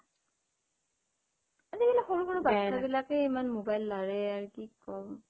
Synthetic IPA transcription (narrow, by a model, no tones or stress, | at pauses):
adibilaxɔɹuxɔɹubatʰabilakɛemanmobajlːaɹɛaɹikikːɔm